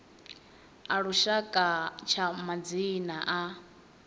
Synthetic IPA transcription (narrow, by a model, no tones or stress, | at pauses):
aɺuʃakʼat͡ʃʰamad͡zinaʔa